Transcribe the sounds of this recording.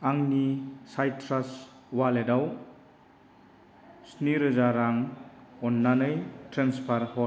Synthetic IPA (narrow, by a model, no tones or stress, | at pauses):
aŋnisajtʰɾas | waledaw | sniɾɯzaɾaŋɔnːanɯjtɾenspʰaɾhɔ